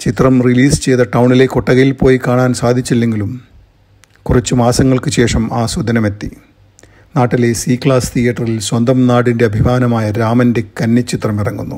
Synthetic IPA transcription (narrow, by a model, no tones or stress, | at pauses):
t͡ɕit̪rɐmriliːst͡ɕe̞jt̪ɐʈɐwɳile̞koʈːɐɣɐjilpo̞ːjikaːɳaːnsaːd̪ʱit͡ɕːilːe̞ŋɡilum | kurɐt͡ɕːumaːsɐŋːɐɭkɨɕe̞ːʂɐmaːsud̪ʱɐnɐme̞t̪ːi | naːʈːile̞siːkɭaːst̪ʰijɐʈːɐrilswɐnd̪ɐmnaːɽinde̞ɐbʱimaːnɐmaːjɐɾaːmɐnde̞kɐnːɐt͡ɕːit̪rɐmirɐŋːunːu